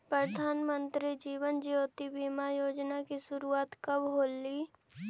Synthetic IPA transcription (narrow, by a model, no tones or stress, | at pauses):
pɾəd̪ʱaːnmə̃nt̪ɾid͡ʒiːʋənd͡ʒijoːt̪ibiːmajoːd͡ʒnakisʊɾuaːt̪kɐbɦoːlːiː